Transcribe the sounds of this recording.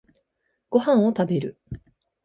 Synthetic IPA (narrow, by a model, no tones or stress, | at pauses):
ɡ̥o̞hãɰ̃o̞t̪abe̞ɾɯ̟